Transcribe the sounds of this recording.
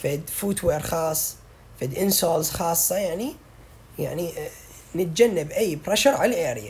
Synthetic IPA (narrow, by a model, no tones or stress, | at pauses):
fed̪fuːt̪weːɾxɑːsˤː | fɪd̪ʔɪnsoːlzxɑːsˤːɑjaʕni | ja̰ʕni | nɪt̪̚d͡ʒanːɪbʔajːbɾeːʃaɾʕalʔeːɾɪja